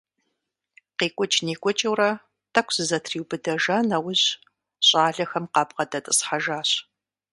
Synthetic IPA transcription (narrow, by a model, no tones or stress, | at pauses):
qeːkʷʼɔt͡ʃʼniːkʷʼɔt͡ʃʼɐwrɐ | tʰʼɐkʷz̥ɨzɐtʰriːwbɨdɐʒanɐwʊʑ | ɕʼaːɮɐxɐmqɑːbʁɐdɐtʼɨsħaʒaːɕ